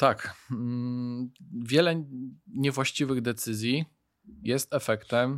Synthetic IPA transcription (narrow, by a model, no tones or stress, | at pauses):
t̪ak | vʲjɛlɛɲɛvwaɕt͡ɕivɘɣd̪ɛt̪sɘzʲji | jɛst̪ɛfɛkt̪ɛm